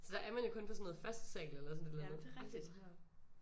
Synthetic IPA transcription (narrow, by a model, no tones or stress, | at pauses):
sɒ̽d̥ɑ̈ʔæɐmænjo̝kʰɔ̽npʰɒ̽sɔnoð̩ˠfæsd̥sḛːɡl̩elɐsɔnd̥elæð̥i̥